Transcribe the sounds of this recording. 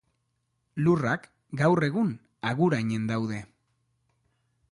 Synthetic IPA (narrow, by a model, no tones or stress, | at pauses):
lurak | ɡawre̞ɣun | aɣuɾaɲe̞nd̪awðe̞